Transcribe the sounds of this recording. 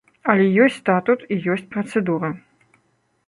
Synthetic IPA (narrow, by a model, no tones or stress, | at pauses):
ɐlʲɛjɔsʲt͡sʲst̪at̪ut̪ijɔsʲt͡sʲpɾɐt̪sɛd̪uɾɐ